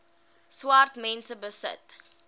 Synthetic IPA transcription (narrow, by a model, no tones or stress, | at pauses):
swartmɛnsəbəsə̰t